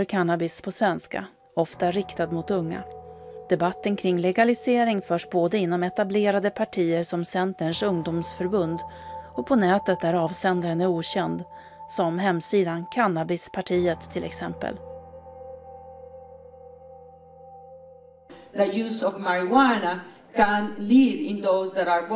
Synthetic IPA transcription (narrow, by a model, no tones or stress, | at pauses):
œɾkʰanːabɪspʰɔsvɛnska̰ | ɔft̪aɾɪkt̪ad̪mʊt̪ɵŋːa̰d̪̥ɛbat̪ːənkʰɾɪŋlɛɡalɪseːɾɪŋfœːʂboːd̪əɪnːɔmɛt̪ableːɾad̪əpʰaʈʰiːəɾsɔmsɛnt̪əɳʂɵŋd̪uːmsfœɾbɵnd̪ɔpʰɔnɛːt̪ət̪̚d̪æɾɑːvsɛnd̪aɾənæɾuːɕɛnd̪ | sɔmɦɛmsiːd̪ankʰanːabɪspʰaʈʰiːət̪ʰːɪlʔɛ̰ksɛ̰mpə̰l | ðəjʉːsɔvmaɹɪwana | kæ̃nlidɪ̃nðoʊzðæɾaɹb